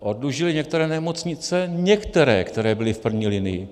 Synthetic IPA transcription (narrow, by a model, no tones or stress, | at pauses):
ʔodluʒɪlɪɲɛkt̪ɛɾɛːnɛmot͡sɲɪt͡sɛɲɛkt̪ɛɾɛ̰ːkt̪ɛɾɛːbɪlɪfpr̩vɲiːlɪnɪjɪ̰